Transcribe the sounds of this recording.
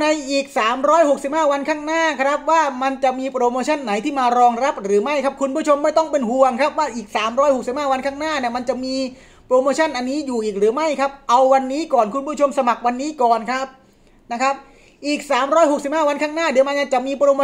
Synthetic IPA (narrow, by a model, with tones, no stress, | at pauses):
na˧jʔiː˨˩k̚saː˩˦mɾɔː˦˥jho˨˩k̚si˨˩p̚haː˥˩wa˧nkʰaː˥˩ŋnaː˥˩kʰɾa˦˥p̚waː˥˩ma˧nt͡ɕa˨˩miː˧pɾoː˧moː˧t͡ɕʰa˥˩nːa˩˦jt̪ʰiː˥˩maː˧ɾɔː˧ŋɾa˦˥p̚ɾɯː˩˦ma˥˩jkʰa˦˥p̚kʰu˧npʰu˥˩ət͡ɕʰo˧mːa˥˩jt̪ɔ˥˩ŋpe˧nhu˧˩əŋkʰɾa˦˥p̚waː˥˩ʔiː˨˩k̚saː˩˦mɾɔː˦˥jho˨˩k̚si˨˩p̚haː˥˩wa˧nkʰaː˥˩ŋnaː˥˩ni˥˩ma˧nt͡ɕa˨˩miː˧ | pɾoː˧moː˧t͡ɕʰa˥˩nʔa˧nːiː˦˥juː˨˩ʔiː˨˩k̚ɾɯː˩˦ma˥˩jkʰa˦˥p̚ʔa˧wːa˧nːiː˦˥kɔː˨˩nkʰu˧npʰu˥˩t͡ɕʰo˧msa˧ma˨˩k̚wa˧nːiː˦˥kɔː˨˩nkʰɾa˦˥p̚ | na˦˥kʰa˦˥p̚ | ʔiː˨˩k̚saː˩˦mɾɔː˦˥jɦo˨˩k̚si˨˩p̚haː˥˩wa˧nkʰaː˥˩ŋnaː˥˩dɯ˨˩˦ma˧nja˧˩t͡ɕa˨˩miː˧pɾoː˧moː˧